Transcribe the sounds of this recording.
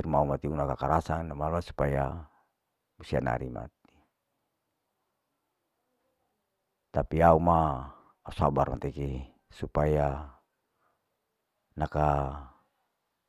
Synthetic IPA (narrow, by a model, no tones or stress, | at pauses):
rmaumat̪iunakakaɾasaŋnamalmasu̥paja | busia̰na̰ɾḭma̰t̪̚i̥ | t̪apiaumaː | usabarma̰t̪ɛki | supaja | naka